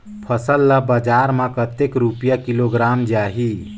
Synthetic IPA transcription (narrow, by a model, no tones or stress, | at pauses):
pʰəsəlːabad͡ʒaːɾmãkət̪ekɾupjakiloɡɾaːmd͡ʒaːɦi